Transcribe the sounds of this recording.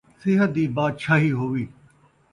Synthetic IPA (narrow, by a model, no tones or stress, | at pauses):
sɪɦət̪̚d̪iːbaːd̪ʃaːɦiːɦoːʋiː